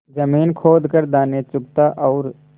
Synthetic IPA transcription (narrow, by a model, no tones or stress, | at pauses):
d͡ʒəmiːnkʰoːd̪ʱkəɾd̪aːnet͡ʃʊk̚t̪aʔɔːɾ